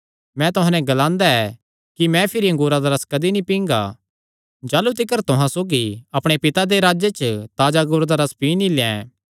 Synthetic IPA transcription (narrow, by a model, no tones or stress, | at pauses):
mɛ̃t̪ʊɦãnɛ̃ɡɐlãːnd̪aɛ | kimɛ̃pʰɪɾiɐ̃ŋɡuːɾad̪aɾɐskɐd̪inĩpĩːŋɡa̰ | d͡ʒaːlut̪ɪkəɾt̪ʊɦãsoːɡiɐpɽ̃epɪt̪ad̪eɾaːd͡ʒet͡ʃt̪aːd͡ʒaŋɡuːɾd̪aɾɐspiːnilɛ̰̃